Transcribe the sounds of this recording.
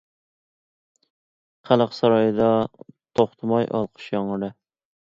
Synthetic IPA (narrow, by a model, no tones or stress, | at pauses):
χælˠəqsɑɾɑjɨd̪ɑt̪ʰoχt̪ʰɨmɑjʔɑ̰lˠqʰə̥ʃjɑŋɨɾɨ